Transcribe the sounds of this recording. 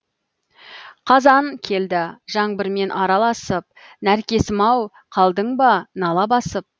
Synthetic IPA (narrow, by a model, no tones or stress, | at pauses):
qʰɑzɑŋkʲʰe̞ld̪ɪʒɑɴbɪɾme̞nʔɑɾɑlˠɑsəp̚ | næɾkʲe̞sɪmɑw | qʰɑlˠd̪əɴbɑnɑlˠɑbɑsəp̚